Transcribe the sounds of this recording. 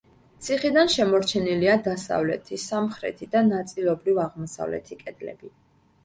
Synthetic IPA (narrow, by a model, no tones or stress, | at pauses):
t̪sʰiχid̪anʃɛmɔɾt͡ʃʰɛniliad̪asa̰vlɛ̰t̪ʰisamχɾɛ̰t̪ʰid̪anat̪sʼilˠɔbɾivaʁmɔsa̰vlɛ̰t̪ʰikʼɛd̪̥lɛ̰bi